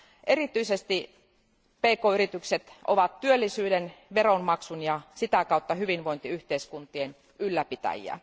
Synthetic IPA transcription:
ʔeɾit̪yisest̪i | peːkoːyɾit̪ykset̪ʔo̰ʋɑt̪tyølːisyːdenʋeronmɑksunjɑsit̪ækɑˑut̪ːɑhyʋinʋoint̪iyht̪eiskunt̪ien | ylːæpit̪æ̰jḭæ̰

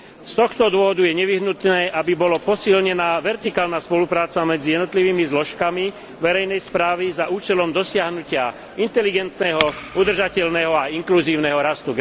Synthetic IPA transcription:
st̪ɔxt̪ɔd̪ʊɔɦɔd̪ujɛɲɛʋiɦnut̪nɛːʔabibɔlɔpɔsilɲɛnaːʋɛɾt̪ikaːlnaːspɔlupɾaːt͡samɛd͡zijɛd̪nɔt̪liʋiːmizlɔʃkami | ʋɛɾɛjnɛjspɾaːʋizaʔuːt͡ʃɛlɔmd̪ɔsɪaɦnucɪa | int̪ɛliɡɛnt̪nɛɦɔud̪r̩ʒacɛʎnɛɦɔaiŋkluziːʊnɛɦɔɾast̪uɡ

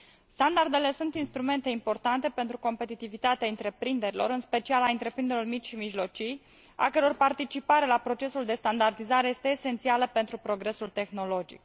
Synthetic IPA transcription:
st̪and̪ard̪e̞le̞sunt̪inst̪ɾume̞nt̪e̞impo̞rt̪ant̪e̞pe̞nt̪ɾuko̞mpe̞t̪it̪ivit̪at̪eaɨnt̪ɾe̞pɾind̪e̞ɾilo̞̰ɾɨnspe̞t͡ʃialaɨnt̪ɾe̞pɾind̪e̞ɾormit͡ʃʲʃimiʒlo̞t͡ʃij | a̰kəɾo̞rpart̪it͡ʃipaɾe̞lapɾo̞t͡ʃe̞suld̪e̞st̪and̪ard̪izaɾe̞je̞st̪e̞ːse̞nt̪sialəpent̪ɾupɾo̞ɡɾe̞sult̪e̞xno̞lo̞d͡ʒḭk

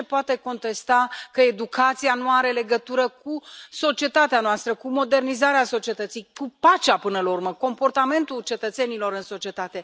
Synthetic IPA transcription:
epoat̪e̞ko̞nt̪e̞st̪akəed̪ukʰat̪sijanuaɾe̞le̞ɡət̪uɾəkuso̞t͡ʃie̞t̪at̪eanoast̪ɾəkumo̞d̪e̞rnizaɾeaso̞t͡ʃie̞t̪ət̪sijkupat͡ʃapɨnəlaurməko̞mpo̞rt̪ame̞nt̪ult͡ʃe̞t̪ət̪se̞nilo̞ɾɨnso̞t͡ʃie̞t̪at̪e̞

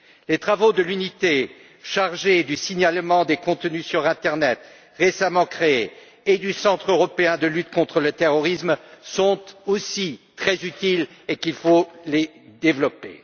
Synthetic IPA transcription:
let̪χavod̪əlynit̪e | ʃaʁʒed̪ysiɲalmɑ̃d̪ekɔ̃t̪nysyʁɛ̃t̪ɛʁnɛt̪ | ʁesamɑ̃kχeeː | d̪ysɑ̃t̪χøʁɔpeɛ̃d̪əlyt̪kɔ̃t̪χələt̪eʁɔʁismsɔ̃t̪osit̪χɛzyt̪ilekilfole | d̪evlɔpḛ

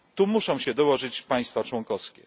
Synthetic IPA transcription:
t̪umuʂɔ̃w̃ɕɛd̪ɔwɔʐɘt͡ɕpaj̃st̪fat͡ʂwɔŋkɔskʲɛ̰

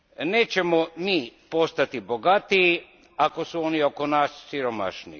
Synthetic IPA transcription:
neːt͡ɕemomiːpo̞st̪at̪iboɡat̪ii | ako̞suonio̞konaːsːiɾoma̰ʃnḭ

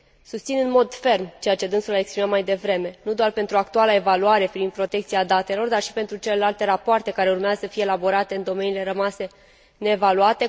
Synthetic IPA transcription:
sust̪sinɨnmo̞d̪fe̞rmt͡ʃe̞jat͡ʃe̞d̪ɨnsulaekspɾimamajd̪e̞vɾe̞me̞nud̪oarpe̞nt̪ɾuak̚t̪ualae̞valuaɾe̞pivinpɾo̞t̪e̞kt̪siad̪at̪e̞lo̞rd̪arʃi̥pe̞nt̪ɾut͡ʃe̞le̞lalt̪e̞ɾapoart̪e̞kaɾe̞urmeazəsəfijeːlabo̞ɾat̪eɨnd̪o̞me̞nile̞ɾəmase̞ | ne̞ːvaluat̪e̞

